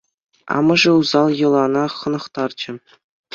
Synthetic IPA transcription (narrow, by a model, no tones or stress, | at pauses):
ɑ̰mɤ̆ʐɤ̆uzɑlˠjɤ̆lˠɑnɑχɤ̆nɤ̆χt̪ɑrd͡ʑɘ̆